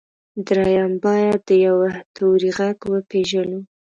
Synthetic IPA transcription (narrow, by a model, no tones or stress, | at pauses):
d̪ɾɑjambɑjad̪̚ːəjawat̪ʰuwɾiɣaɡwəpeʒalu